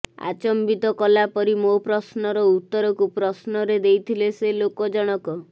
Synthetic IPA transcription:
a̰t͡ʃɔmbit̪ɔkɔlapɔɾimopɾɔsnɔɾɔut̪ːɔɾɔkupɾɔsnɔɾed̪ejt̪ʰileselokɔd͡ʒɔɽ̃ɔkɔ

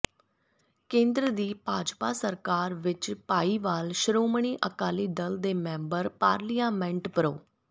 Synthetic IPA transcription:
kẽːnd̪ɾəd̪iːpaːd͡ʒpaːsəɾkaːɾʋɪt͡ʃpaːiːʋaːlʃəɾoːməɳ̃iːʔəkaːliːd̪əld̪eːmɛ̃ːmbəɾpaːɾlijãːmɛ̃ːɳʈpəɾoː

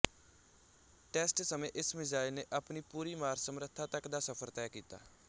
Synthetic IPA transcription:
ʈɛːsʈsəmẽːʔɪsmɪzaːɪlneːʔapniːpuːɾiːmaːɾsəmɾət̪ʰːaːt̪əkd̪aːsəpʰəɾt̪ɛːkiːt̪a̰ː

